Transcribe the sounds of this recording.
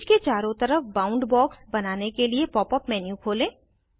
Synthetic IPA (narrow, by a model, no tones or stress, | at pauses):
d͡ʒket͡ʃaːɾõt̪ɐɾəfbãːʊ̃ɳɖbɔːksbɐnaːnekeliepɔːpəpmɛːnjũkʰoːlẽː